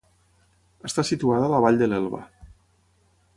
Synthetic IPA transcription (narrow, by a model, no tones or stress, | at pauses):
əst̪asit̪uaðəlaβ̞aʎʲd̪əlɛlˠβə̰